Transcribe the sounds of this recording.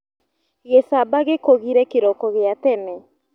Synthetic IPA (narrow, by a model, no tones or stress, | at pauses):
ɣesabaɣekoɣiɾɛkeɾɔkɔɣeatɛnɛ